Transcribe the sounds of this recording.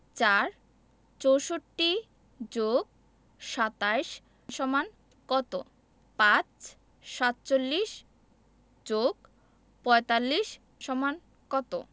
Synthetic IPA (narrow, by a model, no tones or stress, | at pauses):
t͡ɕaɾ | t͡ɕowʃoʈːi | d͡ʑoɡ̚ | ʃat̪ajʃ | ʃɔman | kɔt̪o̰ | pãt͡ɕ | ʃat̪t͡ɕolːiʃ | d͡ʑoɡ | pɔet̪alːiʃ | ʃɔman | kɔt̪o̰